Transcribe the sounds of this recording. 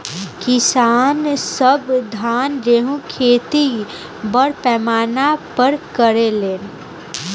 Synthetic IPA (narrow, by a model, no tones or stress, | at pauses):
kɪsaːnsəbd̪ʱaːnɾeɦũkʰeːt̪i | bəɽpɛːmaːnapəɾkəɾeleːn